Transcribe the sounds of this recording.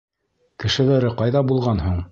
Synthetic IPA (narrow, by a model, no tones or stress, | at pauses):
kɘ̆ʃɘ̆læɾɘqɑjðɑbulˠʁɑnɦuɴ